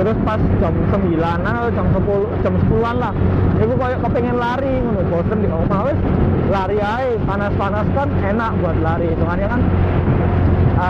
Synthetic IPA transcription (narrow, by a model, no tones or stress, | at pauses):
t̪əɾʊspasd̥ʒ̥a̤msəmbilananad̥d͡ʒ̥a̤msəpulud̥ʒ̥a̤msəpuluanlahikukɔjɔʔkəpeŋɛnlaɾiŋunoɡ̥ɔsənd̪iŋamawɪslaɾiaepanaspanaskanenaʔbuat̪̚laɾit̪ukanɲakan | a